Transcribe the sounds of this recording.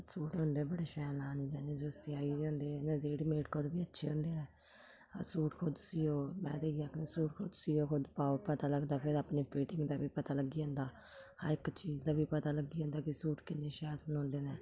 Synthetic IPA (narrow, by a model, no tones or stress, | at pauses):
suːʈõːnd̪eːbəɽeːʃɛːlaːniːd͡ʒaːnẽːd͡ʒoːəsiaːiõːnd̪eːnezeːɽmeːʈkoːd̪biːətːʃʰeːɦʊ̃ːnd̪eːnɛ̰ː | suːʈkʰʊd̪sijoːmɛ̃ːd̪eːiaːkneːsuːʈkʰʊd̪siːoːkʊd̪paːopət̪aːləɡd̪aːpʰɪɾaːpneːpʰiːʈɪŋɡd̪aːbiːpət̪aːləɡiːõːnd̪aː | haɾɪkt͡ʃiːd͡ʒd̪aːbiːpət̪aːləɡiːõnd̪aːkɪsuːʈkɪneːʃɛːsənɦõːnd̪eːnɛː